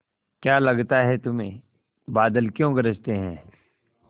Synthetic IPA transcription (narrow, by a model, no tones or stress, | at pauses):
kjaːlɐɡt̪aɦɛt̪ʊmẽː | baːd̪əlkjõɡɐɾəd͡ʒt̪eɦɛ̰̃ː